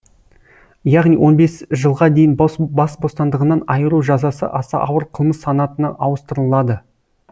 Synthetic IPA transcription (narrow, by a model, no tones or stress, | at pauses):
jɑʁnijwʔo̞nbe̞sʒəlˠʁɑd̪e̞jɪnbɑsbo̞st̪ɑnd̪əʁənɑnɑjəɾuʒɑzɑsə̰ʔɑsɑ̰ʔɑwəɾqʰəlˠməsːɑnɑt̪ənɑʔɑwəst̪əɾəlˠɑd̪ə